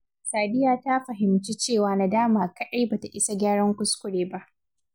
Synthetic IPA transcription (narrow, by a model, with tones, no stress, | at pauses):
saː˨dɪ˦jaː˨ta˦ɸɐ˨ɦɪ˨mt͡ʃi˦t͡ʃeː˦˨waː˨na˨daː˦maː˨kɐ˦ɗa˦jbaː˨ta˨ʔɪ˦sa˦ɡʲaː˦ɽɐ˦ŋkʷʊ˦skʷʊ˦ɽeː˨ba˦ʔ